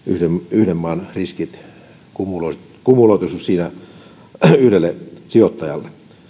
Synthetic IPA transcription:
yhdemyhdemːɑːnriskit̪ | kumuloist̪kumuloˑit̪usussiːnæ | yhɾelːesiot̪ːɑjɑlːe

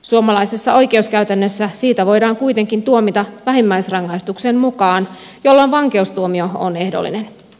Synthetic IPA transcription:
suomɑlɑisesːɑo̞jke̞uskæyɥt̪ænːøsːæsiːt̪æʋo̞jdɑːŋkuit̪e̞ŋkint̪uomit̪ɑʋæɦemːæjsrɑŋːɑist̪uksemmukɑːn | jo̞lːonʋɑŋkeust̪uomio̞o̰ne̞hdo̰lːḭnen

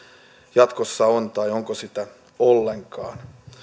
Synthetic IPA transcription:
jɑt̪kosːɑont̪ɑioŋkosit̪æ | olːeŋkɑ̰ːn

